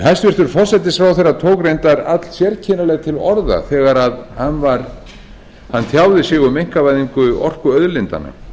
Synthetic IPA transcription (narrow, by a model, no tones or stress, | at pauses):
ɦɛst̪vɪr̥t̪ʏɾ̥fɔr̥sɛt̪ɪsfɾawθejrːat̪ʰoːwkɾejnt̪aɾat̪l̥sjɛɾcʰɪːnalɛɣt̪ʰɪlɔɾða̰θɛːɣaɾaðhanːvaɾ | hanːt̪ʰjaːwðɪsjɪɣʏmejŋ̥kavajðiŋkʏɔr̥kʏœðlɪnt̪a̰na̰